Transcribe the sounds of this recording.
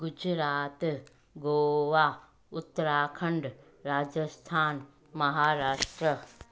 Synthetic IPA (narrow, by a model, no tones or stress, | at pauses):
ɡʊd͡ʒɾaːt̪ | ɡoːʋaː | ʊt̪ːəɾaːkʰəɳɖ | ɾaːd͡ʒəst̪ʰaːn | mɐɦaːɾaːʃʈɾə